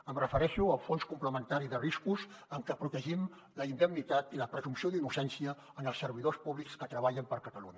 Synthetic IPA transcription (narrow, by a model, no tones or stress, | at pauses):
əmrəfəɾɛʃuəlˠfonskumpləmənt̪aɾiðəriskuzəŋkəpɾut̪əʒim | ləind̪əmnit̪at̪iləpɾəzumsioðinusɛnsiəːnəlˠsːəɾβ̞iðospuβlikskət̪ɾəβ̞aʎəmpəɾkət̪əluɲə